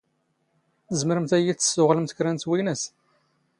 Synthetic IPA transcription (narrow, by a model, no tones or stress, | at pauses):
θəzməɾəmθæjit͡sːə̥sːʊʁləmt̪kɾænt̪winæs